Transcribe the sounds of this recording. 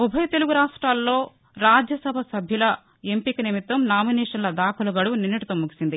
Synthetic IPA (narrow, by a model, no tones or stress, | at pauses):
ubʱɐjɐt̪e̞luɡuɾaːʂʈɾaːlːo̞ː | ɾaːd͡ʒjɐsɐbʱɐsɐbʱjulɐ | e̞mpikɐnimit̪ːɐmnaːminɛːʂɐnlɐd̪aːkʰulɐɡɐɽuninːɐʈit̪oːmuki̥sind̪i